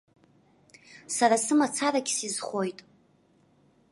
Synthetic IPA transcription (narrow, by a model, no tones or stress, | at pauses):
sarasɨmat͡sʰaɾaɡʲsizχʷojtʼ